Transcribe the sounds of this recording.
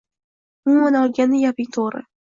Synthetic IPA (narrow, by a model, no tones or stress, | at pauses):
ʊonɒlˠɡʲanːɪjɒpɪŋt̪ʰoʁɾɪ̰